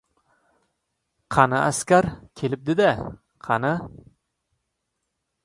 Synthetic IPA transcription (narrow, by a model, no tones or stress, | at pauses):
qʰɑnɨʔæskʲæɾkʲʰelɪp̚d̪ɪd̪ɛ | qʰɑna